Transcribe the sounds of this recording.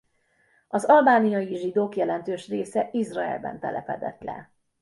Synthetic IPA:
ɒzɒlbaːnijɒjiʒid̪oːkjɛlɛnt̪øːʃreːsɛʔizrɒɛ̰lbɛ̰nt̪ɛlɛpɛd̪ɛ̰t̪lɛ̰

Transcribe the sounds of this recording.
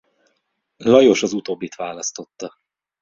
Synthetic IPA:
lɒjo̞ʃɒzut̪oːbːit̪ʋaːlɒst̪o̞t̪ːɒ

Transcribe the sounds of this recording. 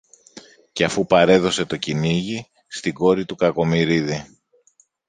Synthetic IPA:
ceɐfupɐɾe̞ðo̞se̞t̪o̞ciniʝi | st̪iɡo̞ɾit̪ukɐko̞miɾiði

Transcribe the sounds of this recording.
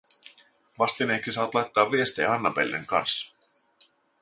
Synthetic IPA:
ʋɑst̪ineksisɑːɑt̪lɑjt̪ːɑːʋːie̞st̪ḛːɑnːɑpelʲːḛŋkɑ̰nsːɑ̥

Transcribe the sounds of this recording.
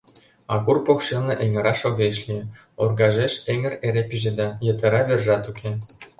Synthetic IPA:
ɑ̰kurpokʃelnĕʔeŋə̆ɾɑʃoɣeʃlie | orɣɑʒeʃeŋə̆reɾepyʒed̪ɑjɤ̆t̪ə̆ɾɑβerʒɑt̪ukʰe

